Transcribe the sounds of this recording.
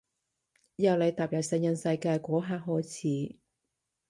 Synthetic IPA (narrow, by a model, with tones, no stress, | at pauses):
jɐ˨˧wle˨˧jt̪aː˨p̚jɐ˨˩w̚sɛ˨˧ŋjɐ˧nsɐ˧jkaː˧jkʷɔː˨˥ɦaː˧k̚ɦɔː˨˥jt͡sʰiː˨˥